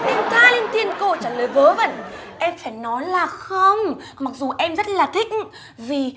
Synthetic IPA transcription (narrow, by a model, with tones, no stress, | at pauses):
ʔɛ˧mk̪aː˧li˧ənt̪i˧ənko˧t͡ɕaː˧˩ləː˨˩jvəː˨˦və̰˧˨nʔɛ˧mfaː˧˩jnɔ˨˦jlaː˨˩xə˧wŋ͡m | ma˨˩k̚zu˨˩ʔɛ˧mzə˦˥t̚laː˨˩t̪ʰï˦˥k̚ | vi˨˩